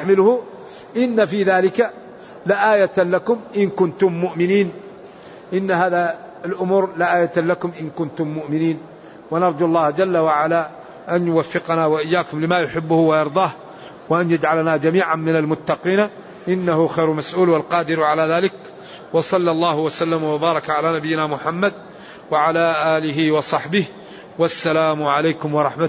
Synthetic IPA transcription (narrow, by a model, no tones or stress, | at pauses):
ħmɪlhʊ | ʔɪnːafiːðaːlɪka | laʔaːjalakʊmʔɪnkʊnt̪ʊmːʊʔmɪniːn | ʔɪnːaɦaːða | ɪlʔʊmuːɾlaʔaːjat̪lakʊmʔɪnkʊnt̪ʊmːʊʔmɪniːn | wanɑɾˤd̪ɑlˤːɑːhd͡ʒalːawaʕalaː | ʔanjʊwafːɪqɑnawaʔɪjːaːkʊmlɪmajʊħɪbːʊhʊwajɑɾˤd̪ˤɑːh | wɪʔanjad͡ʒʕalanad͡ʒamiːʕanmɪnalmʊt̪ːɑqiːn | ʔɪnːahʊxajɾmasʔuːlwalqɑːd̪ɪɾʕalaːðaːlɪk | wɑsˤɑlːɑlˤːɑːhwasalːamwabɑːɾˤɑkʕalaːnabɪjːɪnamʊħamːad̪̚ | waʕalaːʔaːlɪɦɪwɑsˤɑħbɪh | wasːalaːmʊʕalaːkʊmwɑɾˤɑħma